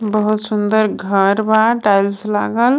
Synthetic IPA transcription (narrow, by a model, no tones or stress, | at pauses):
bəɦut̪sʊnd̪əɾɡʱəɾbaʈajlsla̰ɡəl